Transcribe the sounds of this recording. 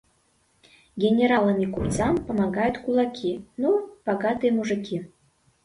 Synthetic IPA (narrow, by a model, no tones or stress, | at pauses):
ɡʲenʲeɾɑlə̆nikupt͡sɑmpə̆mɑɣɑjot̪kulˠɑkʲʰinupɑɣɑt̪emuʒə̆kʲi